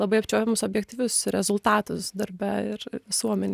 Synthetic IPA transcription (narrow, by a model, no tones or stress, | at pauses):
lˠɐbɐɪɐpʲt͡ʃʲoːjʲɛmʊsoːbʲjɛkt̪ʲiʋʲʊsɾʲɛzʊlˠt̪ɑːt̪ʊsd̪ɐɾbʲɛɪɾʋʲɪsuɔmʲɛnʲ